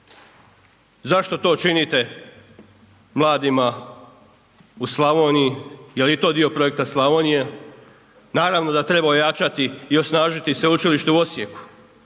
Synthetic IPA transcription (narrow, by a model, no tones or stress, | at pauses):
zaʃt̪o̞t̪o̞ːt͡ʃinit̪e̞ | mlˠaːd̪ima | uslˠaʋo̞ːnijijelit̪o̞ːd̪io̞pɾo̞e̞k̚t̪aslˠaʋo̞ːnije̞ | naːɾaʋno̞d̪at̪ɾe̞baojat͡ʃat̪iio̞snaːʒit̪isʋeut͡ʃiliʃt̪euo̞sjeku̥